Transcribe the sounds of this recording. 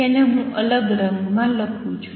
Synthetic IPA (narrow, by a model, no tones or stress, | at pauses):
eleɦũʔələɡɾə̃ŋɡmãləkʰũt͡ʃʰu̥